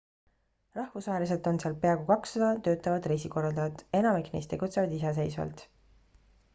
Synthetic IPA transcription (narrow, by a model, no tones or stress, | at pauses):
rɑhvusɑɦelise̞t̪ˑo̞nseɑlpeɑɡukɑksɑd̪ɑt̪ø̞ːt̪ːˑɑvɑd̪̥rejsiko̞rːɑld̪ɑɑt̪e̞nɑmiknejst̪e̞ɡ̥ut̪se̞vɑd̪isɑs̬e̞jsvɑ̰lt̪